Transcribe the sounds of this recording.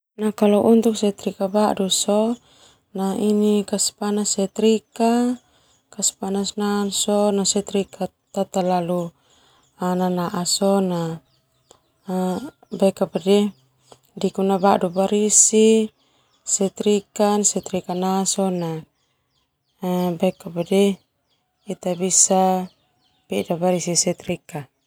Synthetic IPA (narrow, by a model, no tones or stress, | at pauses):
nakalɔʔunt̪uk̚sɛt̪ɾikabaʔdusɔ | nainikaspanasɛt̪ɾika | kaspanasnansɔnasɛt̪ɾikʰa | t̪at̪alalu | ananaʔasɔna | bakapadɛ | dikunabaʔdubaɾisi | sɛt̪ɾikansɛt̪ɾikanasɔna | bakabadɛ | it̪abisa | pɛdabaɾisisɛt̪ɾika